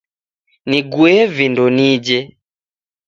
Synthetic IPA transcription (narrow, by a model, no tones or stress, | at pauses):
niɡuɛvindɔnid͡ʒɛ